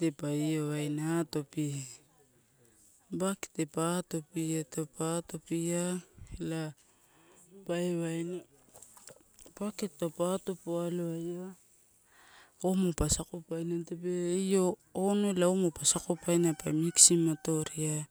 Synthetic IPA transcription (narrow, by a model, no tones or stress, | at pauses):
tepaijoajnato̞pi | bake̥tepato̞pietopato̞piaela | paeβajno | paketːopatopoaloajja | omopasakopajnantop̬eijoːnoelaomopasakopajnapajmiksimato̞ɾia